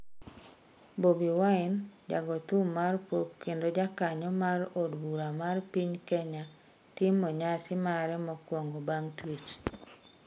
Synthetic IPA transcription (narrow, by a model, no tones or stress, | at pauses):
bobiwaɪnd͡ʒa̰ɡɔt̪umarpwokkːendod͡ʒakaɲɔmarodbuɾamarpiɲkɛɲa | tɪmːɔɲasɪmaɾɛmɔkwɔŋɡobaŋtwit͡ʃ